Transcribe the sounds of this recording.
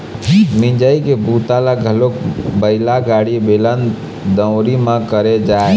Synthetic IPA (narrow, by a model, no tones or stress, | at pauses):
mĩɲd͡ʒaːikebut̪alaɡʱəlokbəɪlaɡaːɽibelən | d̪ə̃ʊɾimãkəɾed͡ʒaː